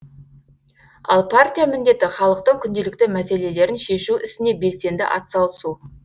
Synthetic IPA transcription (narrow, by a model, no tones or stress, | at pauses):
ɑ̰lˠpʰart̪ʲijamɪnd̪e̞t̪ɪχɑlˠəq̚t̪əɴkʲʰʏnd̪e̞lɪk̚t̪ɪmæse̞le̞le̞ɾɪnʃe̞ʃuʔɪsɪne̞be̞lse̞nd̪ɪ̰ʔɑ̰t̪sɑlˠəsu